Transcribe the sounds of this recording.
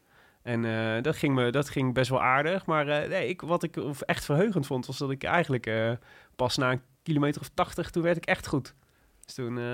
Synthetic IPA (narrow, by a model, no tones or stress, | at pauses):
ɛnədɑtχɪŋmədɑtχɪŋbɛstʋɑ̰lˠʔaːɹdəχmaːrənejɪkʋɑtɪkɛχtfərɦøɥχəntfontʋɑsdɑtɪkɛ̰jχənləkəpɑsnaːən | kilomejtərɔftɑχtəχtunʋɛɹtɪkɛχtχut | stun